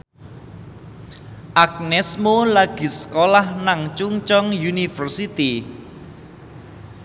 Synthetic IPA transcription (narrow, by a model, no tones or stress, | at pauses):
ʔak̚nɛsmolaɡ̥i̤sə̥kolahnaŋt͡ʃuŋt͡ʃɔŋjunifərsit̪i